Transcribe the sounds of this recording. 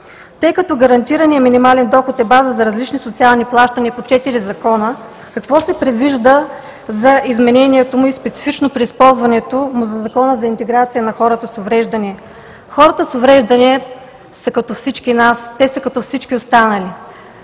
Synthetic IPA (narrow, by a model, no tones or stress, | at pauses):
t̪ɤjkɐt̪ɔɡɐɾɐnt̪iɾənijəminimalɛnd̪ɔxot̪ɛbazəzɐɾɐzlit͡ʃnisot̪sialˠniplˠaʃt̪əniəpot͡ʃɛt̪iɾizɐkɔnə | kɐkvɔsɛpɾɛd̪viʒd̪ə | zɐʔizmɛnɛniɛt̪omʊispɛt̪si̥fit͡ʃnopɾiːspɔlˠzvɐnɛt̪omʊzɐzɐkɔnəzɐint̪ɛɡɾat̪sijənɐxɔɾət̪əsovɾɛʒd̪ɐniɛ | xɔɾət̪əsovɾɛʒd̪ɐniɛ | sɐkɐt̪ɔfsit͡ʃkinast̪ɛsəkɐt̪ɔfsit͡ʃkʲiost̪anəli